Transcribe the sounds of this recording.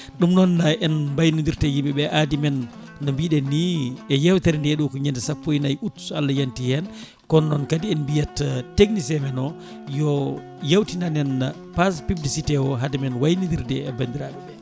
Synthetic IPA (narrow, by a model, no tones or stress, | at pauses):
ɗumnɔnaɛnmbajnindiɾtɛjimbɛɓɛʔadimɛnː | ɔmbiɗɛnːiɛjɛwtɛɾɛndɛɗukɔɲɛndɛsapːojinajutu̥sualːajantihɛn | kɔnːɔnkadiɛnmbijatːateɡ̚nisɛmɛnɔ | jɔ | jawtinanɛn | paspiblisitɛwɔɦadɛmɛnwajnindiɾdɛɛbandiɾaːɓɛɓɛ